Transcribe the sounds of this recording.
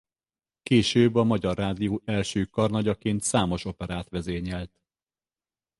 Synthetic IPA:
keːʃøːbːɒmɒɟɒrːaːd̪ijoːɛlʃøːkɒrnɒɟɒkeːnt̪saːmo̞ʃo̞pɛɾaːt̪ʋɛzeːɲɛlt̪

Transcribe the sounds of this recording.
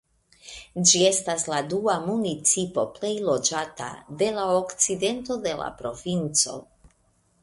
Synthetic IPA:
d͡ʒie̞stasladuamunit͡sipo̞ple̞jlo̞d͡ʒata̰de̞laokt͡side̞nto̞de̞la̰pɾo̞vint͡so̞̰

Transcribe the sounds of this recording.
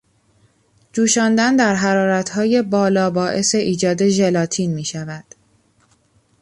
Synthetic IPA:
d͡ʒuːʃɒːnd̪ænd̪æɾɦæɾɒːɾæt̪ʰhɒːje̞bɒːlɒːbɒːʔe̞se̞ʔiːd͡ʒɒːd̪e̞ʒe̞lɒːt̪ʰinmiːʃævæd̪̥

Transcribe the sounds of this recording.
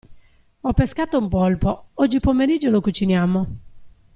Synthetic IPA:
ɔpːeskat̪oumpɔlpoɔd͡ʒːipomeɾid͡ʒːolokut͡ʃinjamo

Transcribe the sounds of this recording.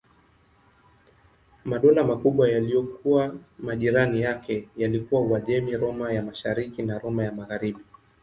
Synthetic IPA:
maɗɔlamakuɓwajalijɔkuamaʄiɾanijakɛjalikuwawaʄɛmiɾɔmajamaʃaɾikinaɾɔmajamaɣaɾiɓi

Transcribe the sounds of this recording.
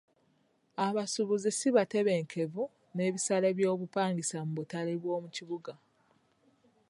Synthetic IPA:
aβasuβuzisiβate̞βe̞ːŋkʰe̞vu | ne̞ːβisale̞βjo̞ːβupaːŋɡisamuβutaleβwo̞ːmuciβuɡa

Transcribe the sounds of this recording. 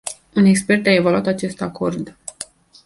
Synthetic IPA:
une̞kspe̞rt̪ae̞valuat̪at͡ʃe̞st̪ako̞rd̪

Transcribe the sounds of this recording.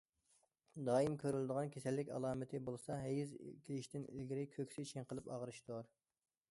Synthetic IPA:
d̪ɑːimkʲʰøɾyld̪əʁɑnkʲʰesɛlːɪkʲɑ̰lˠɑːmɪt̪ʰɪbolˠɨsɑɦɛjiz̰kʲʰiliʃt̪ɪnḭlɡʲiɾɪkʲʰøkʲsɪt͡ʃʰeŋqəlˠɨpɑ̰ʁəɾɨʃt̪oɾ

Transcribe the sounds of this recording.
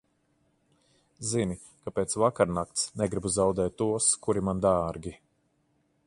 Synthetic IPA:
zini | kapeːt̪svakaɾnakt̪snɛɡɾibuzawd̪ɛːt̪ːuɔskuɾimand̪aːɾɡʲi

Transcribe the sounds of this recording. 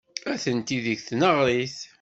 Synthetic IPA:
æθənt̪iðiçθnəʁɾiθ

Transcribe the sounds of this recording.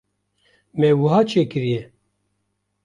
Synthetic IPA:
mɛwɨɦɑːt͡ʃʰeːkɨɾijɛ

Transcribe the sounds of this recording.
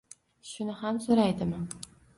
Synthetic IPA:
ʃʊnɪhamsoɾajd̪ɪmɪ

